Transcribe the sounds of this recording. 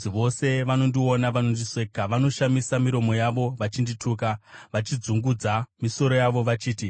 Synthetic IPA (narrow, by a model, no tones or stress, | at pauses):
iʋo̞se̞ʋano̞ndio̞naʋano̞ndiʂekaʋano̞ʃamisamiɾo̞mo̞jaʋo̞ʋat͡ʃinditʰuːkaʋat͡ʃid͡zuŋɡud͡zamiso̞ɾo̞jaʋo̞ʋat͡ʃiːti